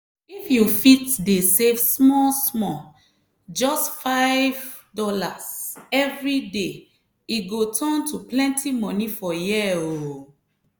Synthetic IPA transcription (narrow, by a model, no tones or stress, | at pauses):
ifjufitdesevsmɔsmɔ | d͡ʒɔstfaɪv | dɔlasɛvɹide | iɡotʰɔ̃ntuplɛ̃ntʰimɔ̃nifɔjiɛo